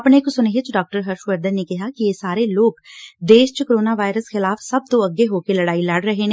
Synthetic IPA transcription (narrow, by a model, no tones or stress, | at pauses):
ɐpnekosʊneɦet͡ʃɖɔːk̚ʈəɾɦɐɾʃʋəɾd̪ənːekɪɦakijesaːɾeloːɡd̪eːʃt͡ʃkoɾoːnaʋaːɪɾəsxɪlaːfsɐb̚t̪oɐɡeɦoːkelɐɽaːilɐɽɾɐɦe